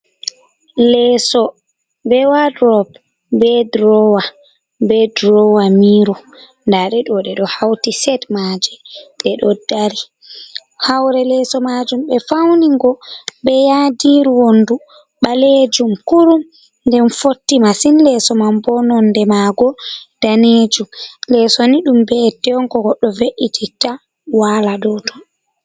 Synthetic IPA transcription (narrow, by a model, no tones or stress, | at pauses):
lɛːsɔ | bɛwadɾɔb | bɛdɾɔwa | bɛdɾɔwamiːɾɔ | ndaɗɛɗɔɗɛɗɔhawtisɛdmad͡ʒɛɗɛɗɔdaɾi | hawɾɛlɛsɔmad͡ʒumɓɛfawniŋɡɔɓɛjadiɾwondu | ɓaled͡ʒumkuɾum | ndɛnfotːimasinlɛsɔmambɔnɔndɛmaɡɔd̥aned͡ʒumlɛsoniɗumbɛtɛɔŋkɔɡɔɗɔveʔitʰita | walaɗɔdɔ